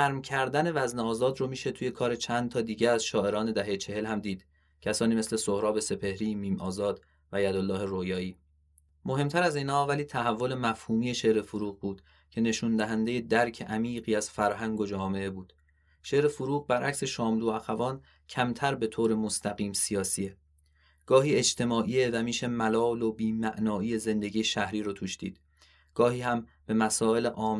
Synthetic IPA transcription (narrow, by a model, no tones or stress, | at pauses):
æɾmcʰæɾd̪æne̞væzneɒːzɒːd̪ɾomiːʃe̞t̪ʰuːje̞kʰɒːɾe̞t͡ʃʰænd̪t̪ʰɒːd̪iːɟæɾæzʃɒːʔe̞ɾɒːne̞d̪æɦe̞jet͡ʃʰe̞he̞lhæmd̪iːd̪̥ | cʰæsɒːniːme̞sle̞sohɾɒːbe̞se̞pʰe̞hɾiːmiːmʔɒːzɒːd̪̥ | væjæd̪olːɒːhe̞ɾojɒːiː | mo̞he̞mt̪ʰæɾæziːnhɒːvæliːt̪ʰæɦævːole̞mæfhuːmiːe̞ʃe̞ʔɾefuɾuːɣbuːd̪̥ | cʰe̞ne̞ʃund̪æɦænd̪e̞je̞d̪æɾcʰe̞ʔæmiːɢiːæz̥fæɾɦæŋɡo̞d͡ʒɒːme̞e̞buːd̪̥ | ʃeːʔɾe̞fuɾuːɣbæɾʔæcʲse̞ʃɒːmluːæxævɒːn | cʰæmt̪ʰæɾbe̞t̪ʰoːɾe̞most̪ʰæɣiːmsijɒːsie̞ | ɡ̥ɒːhiːe̞d͡ʒt̪ʰe̞mɒːʔiːevæmiːʃe̞mælɒːlo̞biːmæʔnɒːiːe̞ze̞nd̪eɟiːjeʃæhɾiːɾot̪ʰuːʃd̪̥ḭːd̪̥ | ɡ̥ɒːhiːhæmb̥e̞mæsɒːe̞leʔɒːm